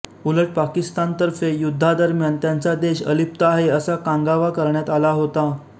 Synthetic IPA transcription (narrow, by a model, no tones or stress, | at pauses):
uləʈ̚pakist̪ant̪əɾfejud̪ʱːad̪əɾmjant̪jant͡sad̪eɕə̰lip̚t̪aɦeəsakãŋɡaʋakəɾɳjat̪alaɦot̪a